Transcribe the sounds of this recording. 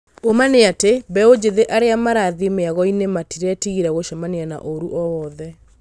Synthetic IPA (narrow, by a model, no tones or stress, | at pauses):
omaneatebɛod͡ʑeðeʔaɾeamaɾaðimeaɣɔinematiɾɛtiɣiɾɛɣoʃamaneana̰ʔoɾuʔɔwɔðɛ